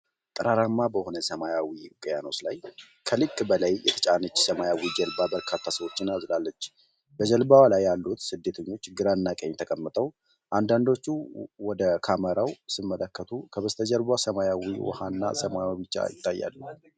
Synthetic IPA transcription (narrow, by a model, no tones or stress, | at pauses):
t̪ʼɨɾaɾamːabəho̞nəsəmajawikʼjanoslaj | kʰəlɨkʼːbəlajjɛt̪ʰə̥t͡ʃʼanɨt͡ʃːsəmajawid͡ʒəlbabəɾkʰat̪ʰːasəwo̞t͡ʃːɪnazlalːət͡ʃː | bəd͡ʒəlbawlajːalːut̪sɨd̪ːet̪ʰəɲːo̞t͡ʃːɡɨɾanːakʼəɲːt̪ʰəkʼəmːɨt̪ʼəw | ʔand̪and̪o̞t͡ʃːuwɔd̪əkʰaməɾawsɨmːələkːət̪ʰukʰəβəst̪ʰəd͡ʒəlbasəmajawiwɔ̰hanːa̰səmajabɨt͡ʃːa̰jɪt̪ʼːajːa̰lːu